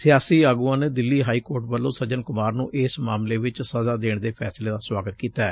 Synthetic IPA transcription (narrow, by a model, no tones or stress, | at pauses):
sɪjaːsiːaːɡuːãːneːd̪ɪlːiːɦaːiːkoːɾʈbəlːõːsəd͡ʒənkʊmaːɾnũːʔɪːsmaːmleːʋɪt͡ʃsəzaːd̪eːɳd̪eːpʰɛːsleːd̪aːswaːɡət̪kiːt̪aːɛː